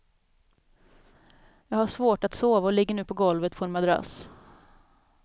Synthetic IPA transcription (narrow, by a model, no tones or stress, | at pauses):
jɑːɡhaʂvoːʈat̪soːvaɔlɪɡːəɳʉːpʰɔɡɔlvət̪pʰɔɛnmad̪ɾa̰s